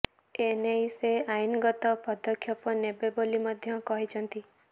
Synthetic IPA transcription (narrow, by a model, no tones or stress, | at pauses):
enejseajinɡɔt̪ɔpɔd̪ɔkʰjɔpɔnebebolimɔd̪ʱjɔkɔɦit͡ʃʰɔnt̪i